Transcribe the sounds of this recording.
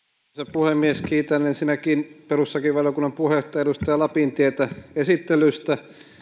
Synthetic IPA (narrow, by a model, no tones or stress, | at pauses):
sepuhemːieskiːt̪ɑnensinækiːnperusːɑkiʋʋɑljokunːɑmpuhet̪ːɑeɾust̪ɑjɑlɑpint̪iet̪æesit̪ːelyst̪æ